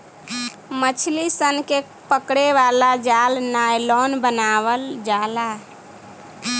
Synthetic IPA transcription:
mət͡ʃʰlisənke | pəkɽeʋalad͡ʒalnajlɔnbənaβəld͡ʒala

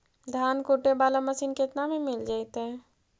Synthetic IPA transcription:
d̪ʱaːnkoːʈebaːlamɐsiːnkeːt̪namẽmɪld͡ʒaːit̪eɦɛ̃ː

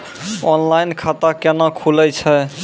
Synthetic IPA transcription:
ɔnlajnkʰat̪akenakʰulɛjt͡ʃʰɛ

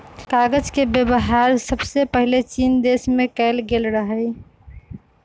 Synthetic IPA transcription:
kaɡəd͡ʒkebjəbəɦaɾsəbsepəɦilet͡ʃind̪esmekɛɪlɡelɾəɦəj

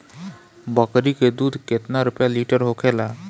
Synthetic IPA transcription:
bəkɾiked̪uːd̪ʱket̪naɾupjaliʈəɾɦokʰela

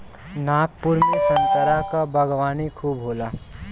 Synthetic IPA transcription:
naːk̚pʊɾmesə̃ŋkəɾakabəɡʋaːnikʰuːbɦoːla

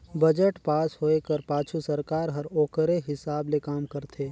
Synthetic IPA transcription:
bɐd͡ʒəʈpaːsɦoːekəɾpaːt͡ʃʰusɐɾkaːɾɦɐɾoːkəɾeɦɪsaːblekaːmkɐɾt̪ʰeː

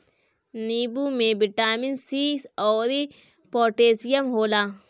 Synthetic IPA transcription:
nibumebiʈaminsisɔwɾi | poʈeːsijɐmɦola

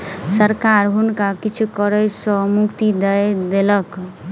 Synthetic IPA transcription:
səɾkaɾɦunkakit͡ʃʰukəɾəsə̃mukt̪id̪əjd̪elək

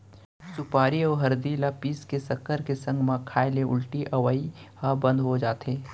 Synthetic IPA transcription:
sʊpaːɾiɔːɾɦɐɾd̪ilapiːskesɐkːəɾkesɐ̃ŋɡmãkʰaːeleʊ̰lʈiʔɐwəihãbə̃nd̪ɦod͡ʒaːt̪ɦeː

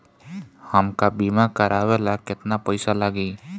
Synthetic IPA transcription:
həmkabimakəɾabelakɪt̪napəjsalaɡiː

